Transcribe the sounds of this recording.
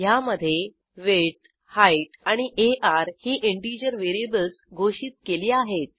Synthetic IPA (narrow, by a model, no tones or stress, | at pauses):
jaməd̪ʱːje | ʋeʈ̚ | haiʈaɽ̃iʔeʔaɾhiːʔeɳʈid͡ʑəɾʋeɾiebəlsɡʱoɕiːt̪keliːaɦet̪̚